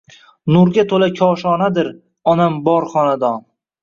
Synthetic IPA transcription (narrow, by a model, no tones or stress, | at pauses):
nʊɾɡʲat̪ʰolakʲʰɒʃɒnad̪ɪɾ | ɒnambɒɾχɒnad̪ɒn